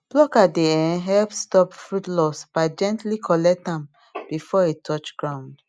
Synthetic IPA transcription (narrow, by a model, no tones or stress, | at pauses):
b̥lɔkadeɛnɦɛlpstɔpfɹutlɔsb̥aɪd͡ʒɛ̃ntlikʰɔlɛk̚tãm | bifɔetʰɔt͡ʃɡ̥ɹãʊ̃nd